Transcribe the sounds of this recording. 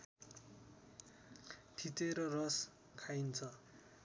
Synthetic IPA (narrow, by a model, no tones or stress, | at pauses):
t̪ʰit̪eɾʌrʌs | kʰajnt͡sʰʌ